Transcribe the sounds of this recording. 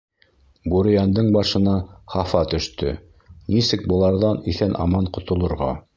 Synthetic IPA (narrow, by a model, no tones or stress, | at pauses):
buɾɘ̆jɑnd̪ɤɴbɑʃɤ̆nɑχɑfɑt̪ɵ̆ʃt̪ɵ̰ | nisɘk̚bŏlˠɑɾðɑniθænʔɑ̰mɑɴqŏt̪ŏlˠŏɾʁɑ̰